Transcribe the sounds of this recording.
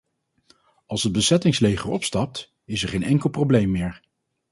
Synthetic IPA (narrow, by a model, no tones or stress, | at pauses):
ɑlˠsəd̚bəsɛtɪŋslejχəɹɔpstɑp̚t | ɪsɛɹχejnɛŋkəlˠprowblejmːɪːɹ